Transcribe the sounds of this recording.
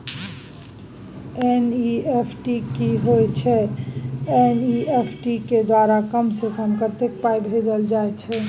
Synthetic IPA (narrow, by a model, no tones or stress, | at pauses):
eniepʰʈikiɦojt͡ʃʰɛ | eniepʰʈiked̪waɾakəmsekəmkət̪ek̚pajbʱed͡ʒəld͡ʒajt͡ʃʰɛ